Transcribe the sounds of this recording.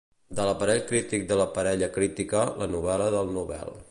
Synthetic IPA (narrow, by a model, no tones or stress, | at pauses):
d̪ələpəɾɛʎkɾit̪ik̚d̪ələpəɾɛʎəkɾit̪ikələnuβɛləðəlˠnuβɛ̰lˠ